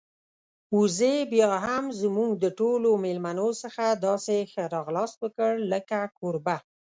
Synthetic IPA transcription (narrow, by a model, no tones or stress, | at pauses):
uzebjɑɦamzmuɡd̪əʈolomelmanosəxad̪ɑsexəɾɑɣlɑst̪wəkəɽləkakoɾba